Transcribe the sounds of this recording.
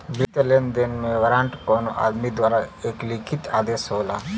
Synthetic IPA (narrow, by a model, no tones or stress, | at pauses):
bit̪elend̪enmeʋɾãɳʈkonoʔa̰d̪mid̪ʋaɾaeklikʰit̪a̰ːd̪esɦola